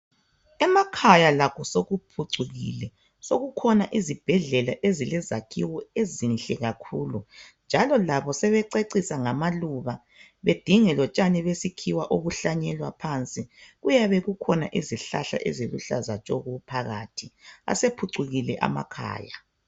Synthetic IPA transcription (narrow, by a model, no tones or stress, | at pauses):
ɛmakʰajalaɣʰɔsoɣupʰuǀuɣḭlɛ | soɣukʰɔnaʔizib̥ʱɛɮɛlaʔezilɛzakʰiwɔezinɬʼɛɣakʰuːlund͡ʒʱalɔlaβɔsɛβɛǀeǀisaŋamaluβa | βed̥ʱiŋɛlɔt͡ʃʼanɛβesikʰiwaʔoβuɬaɲɛlwapʰant͡sʼiɣujaβɛɣukʰɔna̰ʔiziɬaɬa̰ʔɛzeluɬazat͡ʃʼɔɣupʰaɣa̰tʰia̰sepʰuǀuɣilɛʔa̰ma̰kʰa̰ːja